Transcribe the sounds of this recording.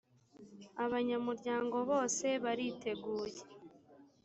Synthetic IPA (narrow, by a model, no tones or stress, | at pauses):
aβaɲamuɾɟaːŋɡo̞βo̞ːse̞βaɾiːtʰe̞ɡuːje